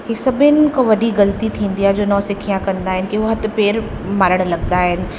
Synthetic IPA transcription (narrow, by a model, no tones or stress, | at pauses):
kisɐbʱɪnkoʋɐɖiɡɐlt̪it̪ʰĩːnd̪iad͡ʒoːnɔːsɪkʰijãkɐ̃nd̪aɦɪnkiʋɐɦɐt̪peːɾ | maːɾəɽ̃lɐɡ̚d̪aɦɪn